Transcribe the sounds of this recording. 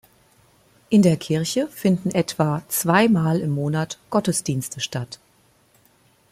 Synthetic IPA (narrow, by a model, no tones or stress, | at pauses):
ʔɪndeːɐkʰɪɐçəfɪndn̩ʔɛtv̥aːt͡sv̥aɪmaːlɪmːoːnatɡ̥ɔtəsd̥iːnstʰəʃtat